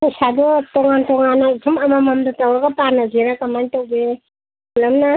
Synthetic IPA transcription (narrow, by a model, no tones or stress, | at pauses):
isadɔtɔŋantɔŋanaitʰumamamamdatawɾaɡapanaziɾakamajtawbe | ulamna